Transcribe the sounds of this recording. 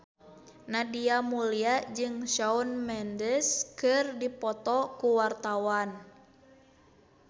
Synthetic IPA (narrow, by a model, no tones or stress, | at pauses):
nadiamuliad͡ʒɨŋʃaunmɛndəskɨrdipɔt̪ɔkuwart̪awan